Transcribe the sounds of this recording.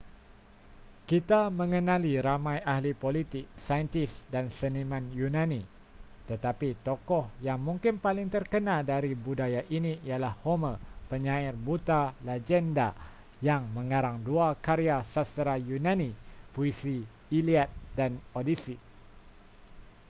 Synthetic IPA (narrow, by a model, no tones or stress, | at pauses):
kit̪amə̃ŋənãliɾamãjahlipolit̪ɪk̚sajənt̪ɪsdansənimãnjunãni | t̪ət̪apit̪okɔhjaŋmũŋkɪnpalɪŋt̪ərkənaldaɾibudajaʔiniialahːoməpəɲaɪrbut̪alad͡ʒɛnda | jaŋmə̃ŋaɾaŋduakaɾiasast̪əɾajunãnipuisiː | liat̪̚danodisi